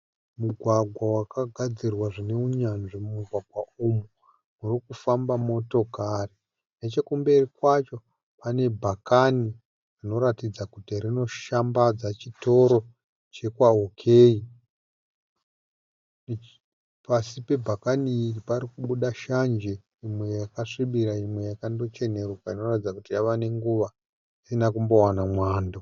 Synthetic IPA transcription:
muɡʱwaɡʱwawakaɡʱad͡zirwaʐine̞uɲanʐimumuɡʱwaɡʱwaumu | murikufambamo̞to̞kari | net͡ʃe̞kumbe̞rikwat͡ʃo̞ | pane̞bʱakani | rino̞ɾatid͡zakutirino̞ʃambad͡zat͡ʃito̞ɾo̞ | t͡ʃe̞kwaɦokʰeːi | pasipe̞bʱakaniːripaɾikuɓuɗaʃand͡ʒe | imwejakaʂiɓiɾaimwe̞jakando̞t͡ʃe̞ne̞rukaino̞ratid͡zakutijaʋane̞ŋɡuʋa | isinakumbo̞wanamwaːndo

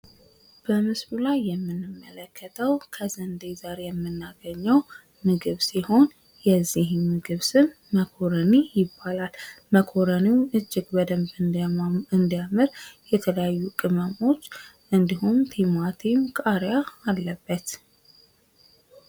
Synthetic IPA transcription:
b̥əmɨsβulajːɛmːɨnːɨmːələkːət̪ʰəwkʰəzənd̪ejzaɾejɛmːɨnːaɡəɲːəw | mɨɡɨβsiho̞n | jɛzːihmːɨɡɨβsɨn | məkʰo̞ɾənijɪbːalalməkʰo̞ɾəniwmʔɨd͡ʒːɪɡbəd̪əmbɨɨnd̪ijamɨɾjɛt̪ʰələjajːukʼɨməmo̞t͡ʃː | ʔɨnd̪ihumt̪ʰemat̪ʰimkʼaɾjaːlːəbːət̪

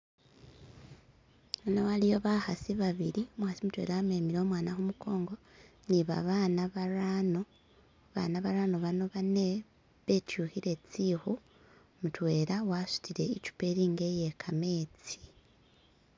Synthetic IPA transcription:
nowalijo̞βahasiβaβiɾimuhasimutwḛːɾawame̞ːmiɾo̞ːmwaːnahumukʰo̞ːŋɡo̞niβa̰βaːnaβaɾano | βa̰naβaɾano̞βano̞βane̞ | βe̞tjuhiɾe̞t͡sihu | mutwe̞ːɾawasu̥tʰiɾe̞icu̥pe̞ɾiːŋɡe̞je̞kʰame̞ːt͡si̥

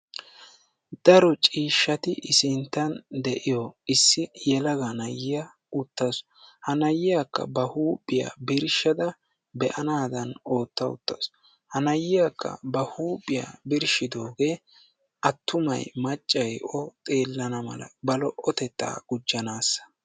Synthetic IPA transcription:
d̪̥ɐɾɔt͡ʃʼiːʃːɐt̪ɪʔɪsɪnt̪ːɐnd̪ɛʔɪjɔɪsːɪjɛlɐɡɐnɐjːɪja | ʊt̪ːɐsɔ̥hɐnɐjːɪjakːɐ̰bɐhuːbɪja̰bɪɾʃɐd̪ɐ | bɛʔɐnaːd̪ɐno̞ːt̪ːɐʊ̰t̪ːɐ̰sɔ | hɐnɐjːɪjakʰːɐ̰bɐhuːbɪja̰ːbɪɾʃɪd̪o̞ːɡe̞ː | ʔɐt̪ːʊmɐ̰jmɐt͡ʃʼːɐjɔt̪ʼe̞ːlːɐnɐmɐ̰lɐ̰bɐlɔʔɔt̪ɛt̪ːa̰ːɡ̥ʊd͡ʒːɐnaːsːɐ̥

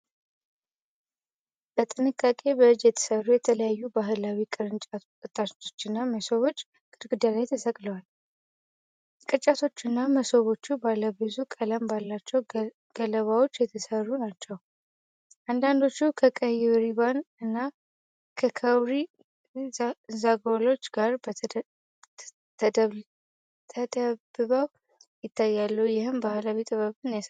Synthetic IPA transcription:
bət̪ʼɨnɨkʼːakʼe̞bəɨd͡ʒjɛt̪ʰə̥sərːujɛt̪ʰələjajːubaɦɨlawikʼɨɾɨnt͡ʃʼa | ɨt̪ʼːao̞̥t͡ʃːɪnːaməsoβo̞t͡ʃː | kʼɨɾɡɨd̪alajt̪ʰəsəkʼləwal | kʼɨt͡ʃʼːat̪ʰo̞t͡ʃːɨnːaməsoβo̞t͡ʃːubalːəbɨzukʼələmbalːat͡ʃːɛw | ɡ̥ələβawo̞t͡ʃːjɛt̪ʰəsərːunat͡ʃːɛw | ʔand̪and̪o̞t͡ʃːukʰəkʼəjɪβɾiβanɨnːa | kʰəkʰəwɾi | zaɡwolo̞t͡ʃːɡaɾb | t̪ʰəd̪ə | t̪ʰəd̪əbɨβəw | jɪt̪ʰːajːalːəujɪhɨmbahlawit̪ʼɨβəβɨnjas

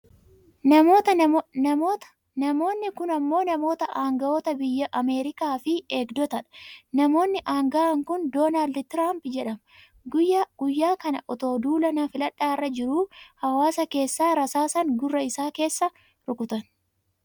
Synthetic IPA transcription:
nɐmoːt̪ɐ | nɐmo̞ːnːɪkʊnɐmːo̞ːnɐmo̞ːt̪ɐʔaːŋɡɐʔoːt̪ɐbɪjːɐʔɐme̞ːɾɪkaːfɪeːɡd̪ɔt̪ɐᶑɐ̥nɐmo̞ːnːɪʔaːŋɡɐʔɐŋkʊnd̪oːnaːld̪t̪ɪɾaːmpd͡ʒɛᶑɐmɐ | ɡʊɡ̥ʊjːaːkɐnɐ̰ʔɔt̪o̞ːd̪uːlɐnafɪlɐᶑːaːɪrːɐd͡ʒɪɾuːhɐwaːsɐke̞ːsːaːɾɐsaːsɐŋɡʊrːɐɪsaːke̞ːsːɐ | ɾʊkʊt̪ɐn

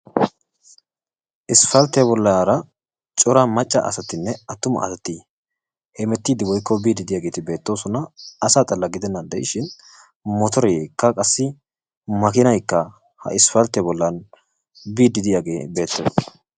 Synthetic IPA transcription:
ʔɪsfɐlt̪ːɛbɔlːaɾɐ | t͡ʃʼɔɾamɐt͡ʃʼːɐ̰ʔɐ̰sɐt̪ɪnːɛɐt̪ːʊmɐ̰ʔɐ̰sɐt̪ːi | hɛmɛt̪ːiːd̪ɪwɔjkːɔbiːd̪ɪd̪ɪjaːɡe̞ːt̪ɪbe̞ːt̪ːo̞ːsɔnɐːsaːt̪ʼɐlːɐɡɪd̪ɛnːɐnd̪ɛjɪʃɪn | mɔt̪ɔɾɛjkːɐkʼɐsːɪ | mɐkɪnɐjkːɐ | hɐ̰ʔɪsfɐlt̪ɛbɔlːɐn | biːd̪ɪd̪ɪjaɡe̞ːbe̞ːt̪ːe

